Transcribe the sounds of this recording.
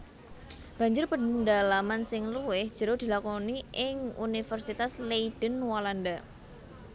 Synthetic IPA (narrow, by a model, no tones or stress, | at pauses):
b̥a̤ɲd͡ʒʊrpədalamansɪŋluwɪhd̥ʒ̥əɾohd̪̥i̤lakɔniʔɪŋṵnifərsit̪asleid̥ənwalanda